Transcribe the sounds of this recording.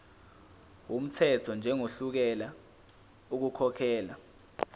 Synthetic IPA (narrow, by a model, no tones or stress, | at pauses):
wum̩tʰɛtʰɔnd͡ʒʱɛŋoɬuk̬ɛla | uk̬ukʰɔkʰɛːla